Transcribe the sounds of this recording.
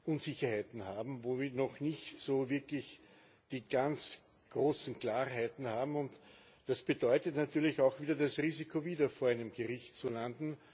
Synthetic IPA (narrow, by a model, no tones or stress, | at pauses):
ʔʊnzɪçɐhaɪtn̩haːbm̩voːviːɐnɔxnɪçtsoːvɪɐklɪç | d̥iːɡ̥ant͡s | ɡ̥ʁoːsn̩kl̥aːʁɦæɪtn̩haːbm̩ʊnt | d̥asb̥ədɔʏtətnatʰyːɐlɪçaʊxv̥iːdɐdasʁiːzikʰoviːdɐfoːɐʔæɪnəmɡəʁɪçtt͡sulandn̩